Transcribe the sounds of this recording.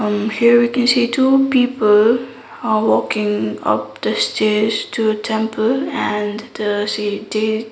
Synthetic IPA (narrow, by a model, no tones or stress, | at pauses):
hiəɹʋikɛ̃nsiːtʰuːpiːpəl | ʋɔːkɪ̃ŋʌ̰p̚d̪̥əstʰed͡ʒtʰuətʰɛ̃mpʰəlæ̃nd̪̥əside